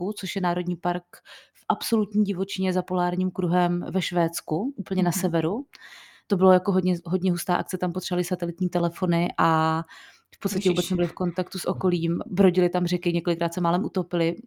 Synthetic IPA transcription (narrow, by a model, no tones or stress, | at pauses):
ut͡so̞ʃjɛnaːɾo̞dɲiːpaɾkfʔapso̞lut̪ɲiːɟɪvo̞t͡ʃɪɲɛzapo̞laːɾɲiːmkɾuɦɛmvɛʃvɛːt̪t͡skuʔuːpl̩ɲɛnasɛvɛɾu | t̪o̞bɪlojakoɦodɲɛɦo̞d̪ɲɛɦust̪aːʔa̰k̪̚t͡sɛt̪ampot̪r̥alɪsat̪ɛlɪt̪ɲiːt̪ɛlɛfo̞nɪʔa | fpot̪st̪acɛvuːbɛtt͡snɛbɪlɪfko̞nt̪akt̪usʔo̞ko̞liːmbɾo̞ɟɪlɪt̪amrɛkɪɲɛkolɪkɾaːt̪sɛmaːlɛmʔut̪opɪlɪ